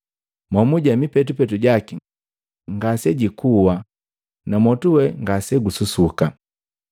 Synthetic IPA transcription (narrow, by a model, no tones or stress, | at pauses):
mwamuɟamipɛtupɛtuɟaki | ŋɡasɛɟikuwa | namɔtuwɛŋɡasɛɡususuka